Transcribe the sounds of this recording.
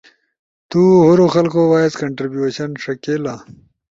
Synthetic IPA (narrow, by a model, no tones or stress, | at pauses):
t̪uɦoɾoxɐlkowaːeskɐɳʈɾibjueɕɐnʂɐkela